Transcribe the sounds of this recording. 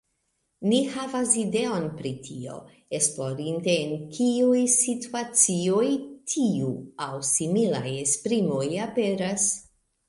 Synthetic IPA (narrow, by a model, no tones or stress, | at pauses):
nihavaside̞o̞npɾitʰio̞̰ | esplo̞ɾinte̞ːnkʰiujsituat͡siojtʰiuawsimilajespɾimo̞jape̞ɾas